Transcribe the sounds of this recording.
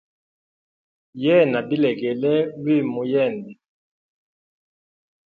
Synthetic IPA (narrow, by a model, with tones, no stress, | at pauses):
jɛ˦˨na˨bi˦lɛ˨ɡɛ˨lɛ˦wi˦˨mu˨jɛ˦˨ndɛ˨